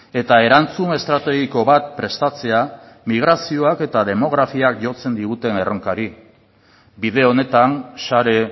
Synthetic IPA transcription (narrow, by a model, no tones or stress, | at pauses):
e̞t̪ae̞ɾant͡sume̞st̪ɾat̪e̞ɣ̞iko̞βat̪̚pɾe̞st̪at͡se̞a | miɣ̞ɾasio̞ake̞t̪að̞e̞mo̞ɣ̞ɾafiak̚ʝo̞t͡se̞nd̪iɣ̞ut̪e̞ne̞ro̞ŋkaɾi | biðe̞o̞ne̞t̪ansaɾe̞